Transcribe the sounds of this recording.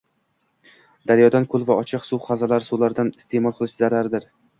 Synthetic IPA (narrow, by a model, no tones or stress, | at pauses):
d̪̥aɾjɒd̪ankʰʊlˠvaɒt͡ʃʰɪqsuχazalaɾsulaɾd̪anɪ̥st̪ʰe̞mɒlˠqʰɨlˠɪʃzaɾaɾd̪ɪɾ